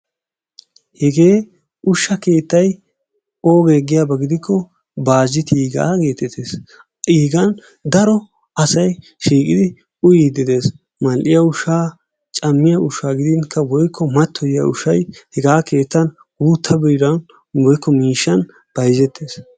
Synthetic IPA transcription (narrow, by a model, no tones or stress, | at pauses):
hɛɡe̞ː | ʊʃːɐke̞ːt̪ːɐj | oːɡeːɡɪjaːbɐɡɪd̪ɪkʰːɔ | baːzːɪt̪iːɡa̰ːke̞ːt̪ːɛt̪ʰːes | iːɡɐn | d̪ɐɾɔ | ɐsɐj | ʃiːkʼɪd̪ɪ | ʊjiːd̪ɪd̪e̞ːs | mɐlʔɪjɐʊʃaː | t͡ʃʼɐmːɪjɐʊʃːaːɡɪd̪ɪnkʰːɐwɔjkʰːɔmɐt̪ʰːɔjɪjɐ̰ʊʃɐjhɛɡaːke̞ːt̪ːɐn | wuːt̪ʰːɐbɛjɾɐn | wɔjkːɔmiːʃːɐn | b̥ɐjzɛt̪ʰːe̞ːs